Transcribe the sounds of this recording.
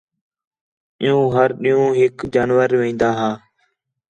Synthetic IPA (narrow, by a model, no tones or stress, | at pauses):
ɪjũːɦəɾɗɪjũːɦɪkd͡ʒaːnʋəɾʋẽːnd̪aːɦaː